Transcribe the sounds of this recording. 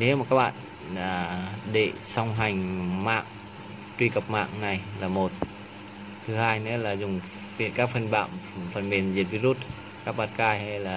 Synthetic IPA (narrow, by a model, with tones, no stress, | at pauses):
ne˧˦maː˧ka˧˥p̚ɓa̰ː˧˩t̪̚ | aː˨˩ɗe˧˩˨sɔ˧˩wŋɦa˧˩jŋmaː˧˥k̚ | t̪wiː˧˩ka˨˧˩p̚ma̰ː˧˩k̚na˧˩˨jlaː˨˧˩mo˨˩t̪̚ | t̪ʰɯː˧haː˧˨jnɨ˧˥ə˨laː˨˧˩zu˧˩ŋ | pi˧˨kaː˦˥p̚kʰɯ˧˨nba̰ː˧˨mfʰa˧˩nbi˧˩nzi˧˩ət̪̚vi˧˥ɾu˦˥t̪̚ | ka˧˥p̚ɓa˧˩t̚kaː˧˩jha˧˩jlaː˧˩